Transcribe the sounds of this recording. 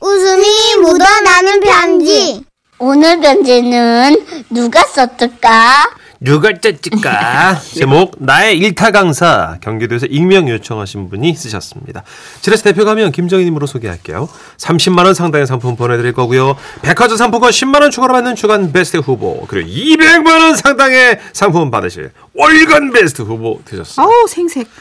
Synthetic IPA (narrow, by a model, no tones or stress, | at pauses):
usumimodananɯnpand͡ʑi | onɯɭbjʌnd͡ʑe̞nɯnːuɡas͈ʌt͈ɯk͈a | nuɡaɭt͡ɕ͈et͡ɕ͈ik͈a̰t͡ɕemok̚nae̞iɭtʰaɡaŋsʰakjʌŋɡidoesʰʌʔiŋmjʌŋjot͡ɕʰʌŋɦaɕʰinbuɲis͈ɯɕʰʌ̰s͈ɯmɲḭda | t͡ɕiɾasʰte̞pʰjoɡaɦamjʌnkimd͡ʑʌŋiɲimɯɾosʰoɡiɦa̰k͈e̞̰jo | sʰamɕʰimːanʌnsʰaŋdaŋe̞sʰaŋpʰumpʌnedɯɾiɭk͈ʌɡujope̞kʰad͡ʑʌsʰampʰuɡʌɕʰimːanʌnt͡ɕʰuɡʌɾɯpanːɯnt͡ɕʰuɡanpe̞sʰɯ̥tʰɯɸubo̰kɯɾḭɡo̰ibeɡmanʌnsʰaŋdaŋesʰaŋpʰunpadɯɕʰḭɭ | ʌɭɡanbe̞sʰtʰɯɸuboted͡ʑʌssʰeŋsʰe